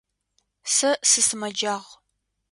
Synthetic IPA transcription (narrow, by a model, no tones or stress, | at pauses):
sɐsɨsɨmɐd͡ʒaːʁ